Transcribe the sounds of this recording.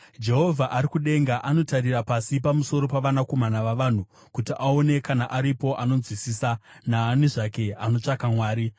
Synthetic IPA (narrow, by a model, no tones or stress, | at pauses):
d͡ʒe̞ɦo̞vʱaʔaɾikuɗe̞ŋɡaʔano̞taɾirapasipamuso̞ɾo̞paʋanako̞manaʋaʋaːn̤u | kutiʔao̞ne̞kanaʔaɾipo̞ʔano̞d͡zwisisanaːniʐake̞ano̞t͡ʂakamwaːɾi